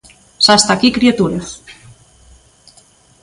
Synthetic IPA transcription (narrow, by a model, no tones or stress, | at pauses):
sast̪akikɾiet̪uɾeθ